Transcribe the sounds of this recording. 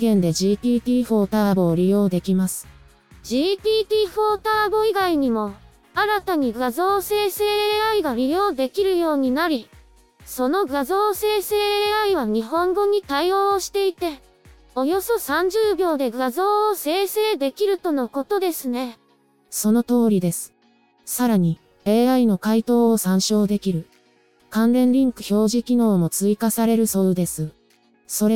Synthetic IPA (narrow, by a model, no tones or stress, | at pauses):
ɡẽ̞nd̪e̞ʑiːt̪ʲiːt̪ʲiːɸo̞ːt̪aːbo̞ːɾʲijo̞ːd̪e̞kʲimasɨ̥ | d͡ʑiːt̪ʲiːt̪ʲiːɸo̞ːt̪aːbo̞iɡaiɲ̟imo̞ | aɾat̪aɲ̟iɡazo̞ːse̞ːse̞ːaiɡaɾʲijo̞ːd̪e̞kʲiɾɯ̟jo̞ːɲ̟inaɾʲi | so̞no̞ɡazo̞ːse̞ːse̞ːaiβ̞aɲ̟iɦõ̞ŋɡo̞ɲ̟it̪aio̞ːɕi̥t̪e̞it̪e̞ | o̞jo̞so̞sãɲ̟d͡ʑɨːbʲjo̞ːd̪e̞ɡazo̞ːse̞ːse̞ːd̪e̞kʲiɾɯ̟t̪o̞no̞ko̞t̪o̞d̪e̞sɨne̞ | so̞no̞t̪o̞ːɾʲid̪e̞sɨ̥ | saɾaɲ̟i | e̞ːaino̞kait̪o̞ːsãɰ̃ɕo̞ːd̪e̞kʲiɾɯ̟ | kãnɾẽ̞nɾʲĩŋkɯ̟ço̞ːʑikʲino̞ːmo̞t͡sɨikasaɾe̞ɾɯ̟sod̪e̞sɨ | so̞ɾe